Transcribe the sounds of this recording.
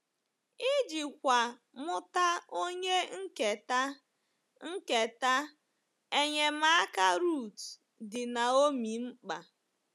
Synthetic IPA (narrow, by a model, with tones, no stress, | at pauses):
i˦d͡ʒi˨kʷa˨ | mʊ˦ta˦o˦ɲe˦ŋ̩˦ke˨ta˦ | ŋ̩˦ke˨ta˦ | e˦ɲe˨ma˦ka˦ɾu˦˨t | dɪ˨na˨o˦mi˨m̩˦k͡pa˨